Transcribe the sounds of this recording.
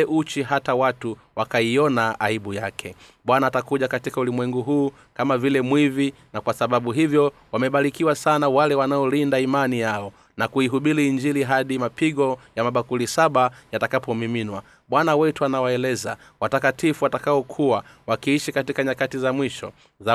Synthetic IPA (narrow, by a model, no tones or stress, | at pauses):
ɛʔut͡ʃiɦatawatu | wakaiɔnaaiɓujakʰɛ | ɓwanaːtakuʄakatikaulimwɛŋɡuɦuː | kamavilɛmwivi | nakwasaɓaɓuɦivjɔwamɛɓaɾikiwasanawalɛwanaɔlindaimanijaɔ | nakuiɦuɓiliːɲd͡ʒiliɦaɗimapiɠɔjamaɓakulisaɓajatakapɔmiminwa | ɓwanawɛtuanawaɛlɛza̰ | watakatifuwatakaɔkʰuwawakiiʃikatikaɲakatizamwiʃɔ̰ | a